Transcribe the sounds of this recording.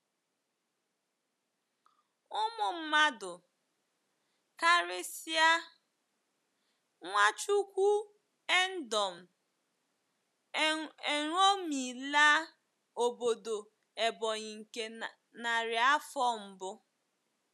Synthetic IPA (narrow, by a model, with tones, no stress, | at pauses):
ʊ˦mʊ˨m̩˦ma˦dʊ˨ | ka˦ɾɪ˦si˦a˦ | ŋʷa˦t͡ʃu˦kʷu˦ | e˦n̩˦dɔ˨m̩˨ | e˨ɾo˦mi˨la˦ | o˨bo˨do˨ | e˨bɔ˨ɲɪ˨ŋ̩˨ke˦ | na˨ɾɪ˨a˦fɔ˦m̩˨bʊ˦